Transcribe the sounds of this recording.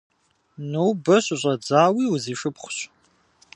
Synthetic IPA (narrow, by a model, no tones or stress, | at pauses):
nuwbɐɕʼʊɕʼɐd͡zaːwiːwziːʂɨpχʷʊɕ